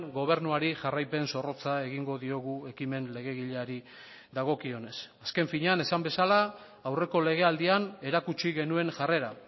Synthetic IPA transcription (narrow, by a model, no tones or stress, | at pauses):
ɡo̞β̞e̞ɾnuaɾiʝarajpe̞nso̞ro̞t͡sae̞ɣiŋɡo̞ðio̞ɣ̞ue̞kime̞nle̞ɣ̞e̞ɣiʎeaɾi | ðaɣ̞o̞kio̞ne̞saske̞ɱfiɲeane̞sambe̞salaː | wre̞ko̞le̞ɣ̞e̞ald̪iane̞ɾakut͡ʃiɣe̞nue̞nʝare̞ɾa